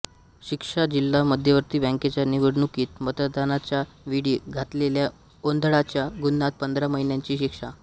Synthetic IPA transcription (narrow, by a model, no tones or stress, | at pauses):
ɕikʂad͡ʑilːaməd̪ʱjəʋəɾt̪iːbɛ̃ŋket͡ɕjaniʋəɽɳukiːt̪mət̪əd̪anat͡ɕja | ʋiɽiːɡʱat̪lelja | ond̪ʱɭat͡ɕjaɡunːat̪̚pənd̪ɾaməɦinjaɲt͡ɕiːɕikʂa